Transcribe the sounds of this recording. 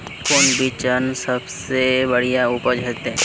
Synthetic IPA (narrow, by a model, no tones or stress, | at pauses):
kʊnbit͡ʃənsəbsebəɽijauːpəɾd͡ʒɦɛːt̪eɦɛ̃